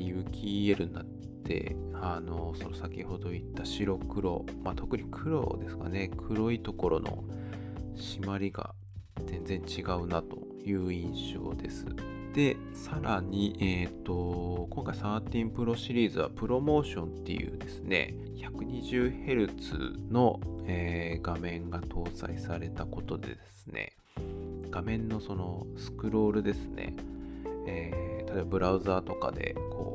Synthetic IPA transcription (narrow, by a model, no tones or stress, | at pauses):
jɯ̟kʲʰie̞ɾɯ̟̃nːa̰t̪ːe̞̰ | ano̞so̞nosakʲiho̞d̪o̞it̪ːaɕiɾo̞kɯ̟ɾo̞̰mat̪o̞kɯ̟ɲ̟ikʰɯ̟ɾo̞̰d̪e̞sɨ̥ka̰ne̞kʰɯ̟ɾo̞it̪o̞ko̞ɾo̞no̞̰ | ɕimaɾʲiɡa̰ | zẽ̞nd͡zẽ̞ɲ̟t͡ɕiɡaɯ̟nat̪o̞̥̰ | jɯ̟ːĩɰ̃ɕo̞̰ːd̪e̞sɨ̰ | d̪̥e̞ | saɾaɲ̟iʔet̪ːo̞koŋkaisaːt̪ʲĩmpɯ̟ɾo̞ɕiɾʲiːzɨβa̰pɯ̟ɾo̞mo̞ːɕõ̞nt̪ːe̞̰jɯ̟̰ːd̪e̞sɨ̥ne̞̰ | çakɯ̟ɲ̟iʑɨːhe̞ɾɯ̟t͡sɨ̰no̞eːɡamẽ̞ŋɡat̪ʰo̞ːsa̰isaɾe̞t̪ako̞t̪o̞d̪e̞̰d̪e̞sɨ̥ne̞̰ | ɡ̥amẽ̞nːo̞so̞no̞sɨ̥kɯ̟ɾo̞ːɾɯ̟d̪e̞sɨ̥nḛ | et̪at̪oeːbabɯ̟ɾaɯ̟zaːt̪o̞ka̰d̪e̞̰kʰo̞̰ː